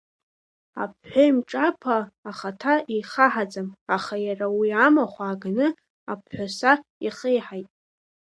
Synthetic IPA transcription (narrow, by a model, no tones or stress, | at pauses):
a̰pʰħʷaimʈ͡ʂʼapʰaːχatʰaʔijχaħad͡zamaχajarawiamaχʷaːɡnɨ | apʰħʷᶣasaiχejħajtʼ